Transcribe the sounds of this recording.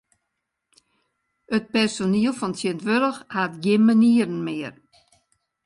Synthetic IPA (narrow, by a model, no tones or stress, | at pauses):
ət̚pɛrsoniəlˠfɔntʰjiəntʋøɾəxhatɡɪnməniəɾən̩mɪər